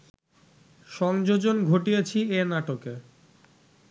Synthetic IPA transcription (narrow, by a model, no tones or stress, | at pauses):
ʃɔŋd͡ʑod͡ʑonɡʱoʈijet͡ɕʰieɾnaʈoke